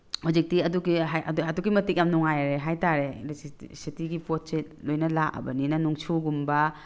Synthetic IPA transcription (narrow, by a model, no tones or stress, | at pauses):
huzik̚tiɐduɡiɦajɐdɐdukɡimɐtik̚jamnuŋajɾeɦajtaɾesitiɡipot̚se | lojnɐlaʔɐ̰bɐninɐnuŋt͡ʃʰuɡumbɐ